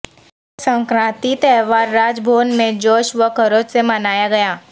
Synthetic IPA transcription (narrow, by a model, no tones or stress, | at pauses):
sə̃ŋkɾãːt̪it̪ɛːʋaːɾːaːd͡ʒbʱoːnmẽd͡ʒoːʃʋəkʰəɾoːd͡ʒsemɐnaːjaɡɐjaː